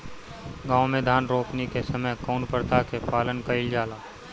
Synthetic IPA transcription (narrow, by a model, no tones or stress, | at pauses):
ɡãːʊmẽd̪ʱaːnɾoːpnikesɐməjkɔːnpəɾt̪ʰakepaːlənkɐɪld͡ʒaːlaː